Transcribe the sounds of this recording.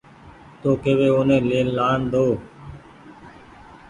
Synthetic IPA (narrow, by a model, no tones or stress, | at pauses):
t̪oːkeːʋeːoːnẽːleːnlaːɳd̪oː